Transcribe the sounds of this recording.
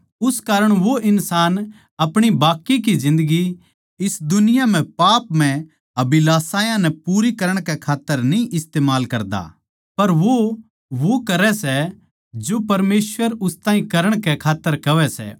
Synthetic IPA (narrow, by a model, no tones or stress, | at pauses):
ʊskaːɾəɽ̃ʋoʔɪnsaːn | ɐpɽ̃ibaːkːik̬id͡ʒɪ̃nd̪əɡi | ɪsd̪ʊnɪjam̤ɛ̃paːpm̤ɛ̃ | ɐbilaːsaːjãnɛpuːɾikɐɾəɽ̃kɛkʰaːt̪ːəɾnĩʔɪst̪eːmaːlkɐɾd̪a̰ | pɐɾʋo | ʋokɐɾɛsɛ | d͡ʒopɐɾmeːsʋəɾʊst̪aːĩkɐɾəɽ̃kɛkʰaːt̪ːəɾkɐʋɛsɛ̰ː